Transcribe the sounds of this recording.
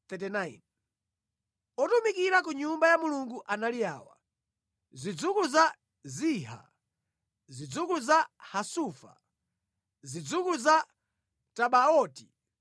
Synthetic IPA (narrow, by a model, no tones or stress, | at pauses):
t̪ɛtinajn | ɔtumikiɾak̬uɲumbajamuluŋɡuʔanaliaːwa̰ | zid͡zukuza | ziːɦa̰ | zid͡zukuzahasuːfa̰ | zid͡zukuza | taɓaɔːti